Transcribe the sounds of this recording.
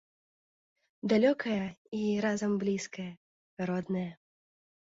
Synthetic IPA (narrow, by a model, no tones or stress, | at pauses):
d̪alʲɔkʰɐjɐiɾazɐmblʲiskɐjɐ | aɾɔd̪nɐjɐ